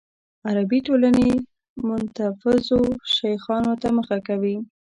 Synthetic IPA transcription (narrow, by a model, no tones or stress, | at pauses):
aɾabiʈolane | mʊnt̪afɪzoʃajxɑnot̪aməxakawi